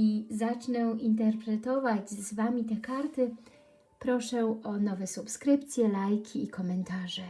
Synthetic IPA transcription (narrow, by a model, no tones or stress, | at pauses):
izat͡ʂnɛwint̪ɛɾpɾɛt̪ɔvad͡ʑzvamʲit̪ɛkaɾt̪ɘ | pɾɔʂɛɔnɔvɛsupskɾɘpt̪sʲjɛlajkʲʰiːkɔmɛnt̪aʐɛ